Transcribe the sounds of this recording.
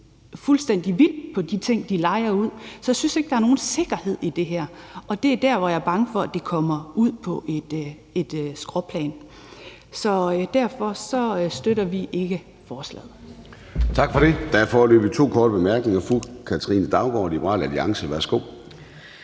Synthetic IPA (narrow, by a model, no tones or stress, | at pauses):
fulsd̥en̰d̥iʋid̥pʰɒ̽d̥it͡sʰe̝ŋ̰d̥ilɑ̈ɪɐuð̰ˠsɒ̽jasynse̝ɡ̥̚d̥ɑ̈æɐno̝ːn̩se̝ɡ̥ɐhe̝ð̞̰ˠid̥e̝ɦɛɐ̰ɒ̽d̥e̝æd̥æɐʋɒjɑ̈ɐb̥ɑ̈ŋəfɒ̽æd̥e̝kʰɒ̽mɐuð̰ˠpʰɒ̽ʔed̥ | e̝d̥sɡ̥ʁɔpʰlɛ̰ːn | sɒ̽d̥æɐfɒ̽sɒ̽sd̥øɾɐʋiʔe̝ɡ̥ə | fɒːslɛ̰ːð̩ˠ | t͡sʰɑ̈ɡ̥fɒ̽ɾe̝d̥æɐfɒløːb̥it͡sʰo̝̰ːkʰɒːd̥əb̥e̝mæɐɡ̥ne̝ŋɐfʁukʰæt͡sʰʁḭːnd̥ɑ̈ʊb̥ɒ̰ːlib̥əʁɑ̰ːlæliɑ̈ŋsəʋæɐsɡ̥o̝̰ː